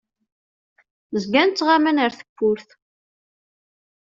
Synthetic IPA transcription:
zɡænt͡sːʁamænəɾθə̥kʷːʊɾθ

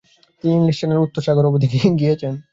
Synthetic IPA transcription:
t̪iniiŋliʃt͡ʃaneɾut̪ːoɾʃaɡoɾobod̪ʱikeɡijet͡ɕʰen

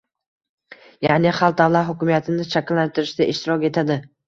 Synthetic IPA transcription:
janɪχalˠt̪̚d̪avlˠat̪ɦʊkʲɪmijat̪ʰɪnɪt͡ʃʰakʲɪlːant̪ʰɪɾɪʃd̪aʔɪʃt̪ɪɾɒkʲe̞t̪ʰad̪ɪ

